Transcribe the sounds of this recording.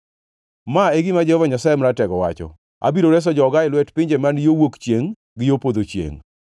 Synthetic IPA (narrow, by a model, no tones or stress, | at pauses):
maeɡɪmad͡ʒɛhɔvaɲasajemɾatɛɡɔwa̰t͡ʃɔ̰ | a̰biɾoɾɛs̬ɔd͡ʒɔɡaɪlwɛtpɪɲd͡ʒemanjowokt͡ʃjeŋ | ɡɪjopod̪ot͡ʃjḛŋ